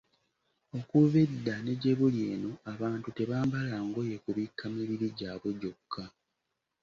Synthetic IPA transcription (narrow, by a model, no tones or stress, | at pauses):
o̞kuβedːane̞ɟe̞βulje̞ːno̞aβaːntute̞βaːmbalaŋɡo̞je̞kuβikʰːamiβiɾiɟaːβweɟo̞kʰːa